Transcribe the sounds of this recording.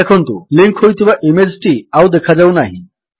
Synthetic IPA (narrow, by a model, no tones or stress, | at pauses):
ekʰənt̪oliŋkɦojt̪ĩʋaʔemed͡zʈiawd̪ekʰad͡zaunaɦi